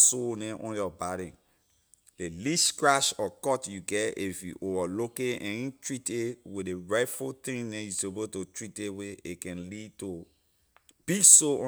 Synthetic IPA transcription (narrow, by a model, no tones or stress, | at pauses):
sonɛ̃ʔɔ̃njɔbaɾĩn | deliskɹaʃɔkɔtjuɡɛifjṵʔovalokeɛ̃ĩtɹitewideɹaɪfut̪ĩŋnɛ̃justebototɹiteweekɛ̃nlid̚to | b̥isoɔ̃